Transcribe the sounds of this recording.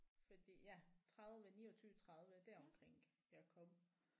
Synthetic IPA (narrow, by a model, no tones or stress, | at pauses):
fɒd̥ḭːjæt͡sʰʁɑ̈ðˠðˠʋənḭːɒt͡sʰyːət͡sʰʁɑ̈ðˠʋəd̥æɐɒ̽mkʰʁeŋ̰ | jɑkʰɒ̽mə